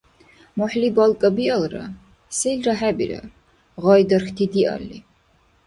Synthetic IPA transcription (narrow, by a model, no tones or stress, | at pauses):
mɔħlibalˠkʼəbialˠɾa̰ | sɛlɾaħɛbḭɾa̰ | ʁɔjd̪əɾxt̪ʰid̪iʔa̰lːi